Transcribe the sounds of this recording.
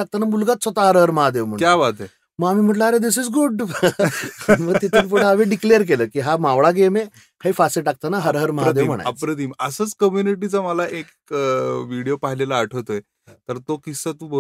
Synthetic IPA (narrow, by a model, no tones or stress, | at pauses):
ak̚t̪anamulɡat̪sət̪aɦəɾɦəɾməɦad̪eʋm̤əɳkjaʋat̪e | məamiːm̤əʈləaɾed̪isizɡuɖ | məɡt̪it̪inpoɽəaʋeɖikleəɾk̬eləːkiːɦamaʋɭaɡeme | kʰaɦiːfaseʈak̚t̪anaɦəɾɦəɾməɦad̪eʋm̤əɳa̰pɾət̪iːməsəːt͡skəmjuniʈ̬it͡saməlaʔek | ʋiɽijopaɦilelaːʈʰəʋt̪oe | t̪əɾt̪okisət̪ubo